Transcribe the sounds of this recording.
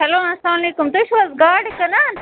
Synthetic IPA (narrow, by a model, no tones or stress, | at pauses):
sɐloːɐslaːmɐleːkʊmt̪uʃɐzɡaːɖkɐna